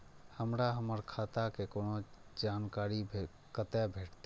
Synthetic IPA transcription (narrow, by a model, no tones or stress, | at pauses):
həmɾaɦəməɾkʰaːt̪akekoːnod͡ʒaːnkaːɾi | kət̪ɛbʱeːʈt̪